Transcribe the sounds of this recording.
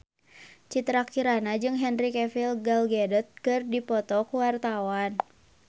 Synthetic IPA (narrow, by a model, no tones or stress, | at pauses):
t͡ʃit̪ɾakiɾanad͡ʒɨŋɦɛnɾikɛfilɡalɡɛdɔt̪̚kɨrdipɔt̪ɔkuwart̪awan